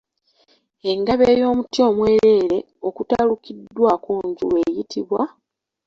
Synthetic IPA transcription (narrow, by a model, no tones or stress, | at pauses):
e̞ŋɡaβeːjo̞ːmutio̞ːmwe̞ːɾe̞ːɾe̞ | o̞kutalukidːwakoːɲɟṵlweːjitʰiβwa